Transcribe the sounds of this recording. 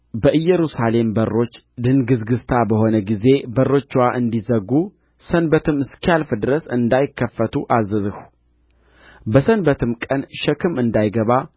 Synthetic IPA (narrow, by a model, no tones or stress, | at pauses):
bəʔɨjːɛɾusale̞mbərːo̞t͡ʃː | d̪ɨnɡɨzɡɨst̪ʰabəho̞nəɡize̞bərːo̞t͡ʃːwaʔɨnd̪izəɡu | sənbət̪ʰɨmɨskʰalfɨd̪ɨɾəsɨnd̪ajɪkːəfːət̪ʰuʔazəzɨhu̥ | bəsənbət̪ʰɨmkʼənʃɛkʰɨmɨnd̪ajɡəβa